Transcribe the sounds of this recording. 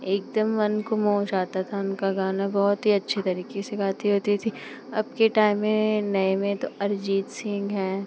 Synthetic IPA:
eːk̚d̪əmːɐnkomɔɦʊ̃t͡ʃaːt̪at̪ʰaʊnkaɡaːnabɔːt̪ɦiɐtːʃʰet̪ɐɾiːkeseɡaːt̪iɦoːt̪it̪ʰi | ɐbkeʈaːɪmːẽnɐemẽt̪oɐɾd͡ʒiːt̪sɪ̃ŋɡɦɛ̃ː

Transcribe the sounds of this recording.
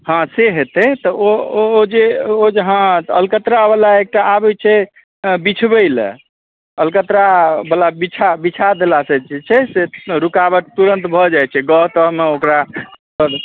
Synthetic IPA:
ɦãseɦet̪ɛt̪ɔood͡ʒeod͡ʒɦãəlkət̪ɾabəlaek̚ʈaabɛt͡ʃʰɛ | bit͡ʃʰbəɪl̰ | əlkət̪ɾabəlabit͡ʃʰabit͡ʃʰad̪elasət͡ʃʰit͡ʃʰɛseɾukabəʈ̚t̪uɾənt̪bʱɔd͡ʒajt͡ʃʰɛɡɔɦt̪əɦmeokɾasəb

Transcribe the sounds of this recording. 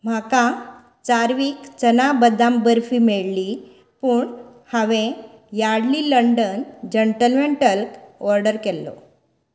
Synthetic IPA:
m̤akã | t͡saɾʋiːkt͡sənabəd̪ambəɾfiːmeɭli | puːɳhaʋẽ | jaɽliːləɳɖənd͡ʑeɳʈəlmeɳʈəlkɔɾɖəɾkɛlːɔ̰

